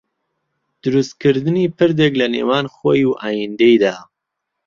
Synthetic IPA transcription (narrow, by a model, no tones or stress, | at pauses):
d̪̥ʊɾust̪̚kɨɾd̪ɨniːpʰɨɾd̪eklɐnḛːwaːnxoːjuʔaːjind̪ejd̪aː